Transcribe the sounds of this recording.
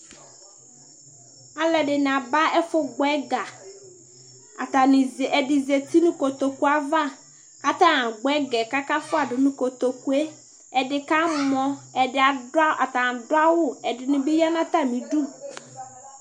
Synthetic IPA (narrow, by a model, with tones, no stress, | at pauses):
a˨lɛ˨dɪ˨n˨a˨ba˦ɛ˦fʊ˨ɡʊ˨˦ɛ˦ɡa˨ | a˨ta˨nɪ˨ɛ˨dɪ˨ze˨t̪ʰi˦nʊ̃˦ko˨t̪o˨ku˦a˨va˦ | ka˦t̪a˦a˨ɡ͡bɛ˦ɡɛ˨ka˦ka˦fʊ˦a˨dɪ˨nʊ̃˦ko˨t̪o˨ku˦e˦ | ɛ˨dɪ˨ka˦mɔ̃˦ɛ˨dɪ˨a˨˦ʔa˨ta˨dʊ˦a˦wʊ˦ɛ˨dɪ˨nʊ̃˨bi˦ja˦nã˦t̪a˦mĩ˨du˦